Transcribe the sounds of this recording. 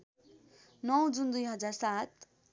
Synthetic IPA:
nʌw̃d͡zund̪ujɦʌd͡zarsat̪̚

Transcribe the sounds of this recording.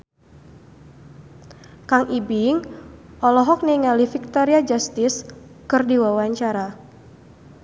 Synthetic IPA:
kaŋʔibiŋʔɔlɔɦɔk̚niŋalifik̚t̪ɔɾiad͡ʒast̪ɪskɨrdiwawaɲt͡ʃaɾa

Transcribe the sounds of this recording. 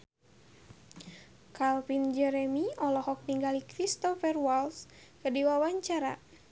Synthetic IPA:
kalfind͡ʒɛɾɛmiɔlɔhɔk̚niŋɡalikɾist̪ɔfɛrwalskədiwawaɲt͡ʃaɾa̰

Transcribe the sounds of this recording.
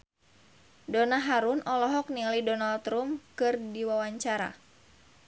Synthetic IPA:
donaɦaɾʊnʔɔlɔɦɔk̚nilajdonalt̪ɾumkɨrdiwawaɲt͡ʃaɾa̰

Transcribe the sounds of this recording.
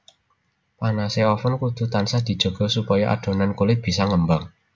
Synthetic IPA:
panaseɔfʊnkud̪̥ṳt̪ansad̪̥i̤d̥ʒ̥o̤ɡ̥ɔ̤supajaʔa̰ɖ̪̥ɔ̤nankolɪb̥i̤saŋəmbaŋ

